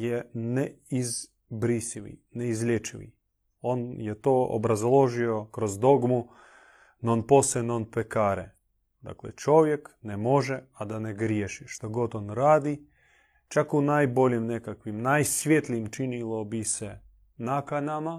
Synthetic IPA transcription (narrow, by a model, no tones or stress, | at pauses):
jeneiz | bɾisiʋḭneizlʲet͡ʃiʋḭ | onjet̪oːo̰bɾazlˠo̞ʒiokɾozd̪o̞ɡmu | nonpo̞senonpekaːɾe | d̪a̰klḛt͡ʃo̞ʋjeknemo̞ʒɛad̪aneɡɾjeʃiʃt̪oɡo̞t̪onɾaːd̪i | t͡ʃakunajbo̞lʲimnekakʋimnajsʋʲjet̪liimt͡ʃinilˠobise | nakanama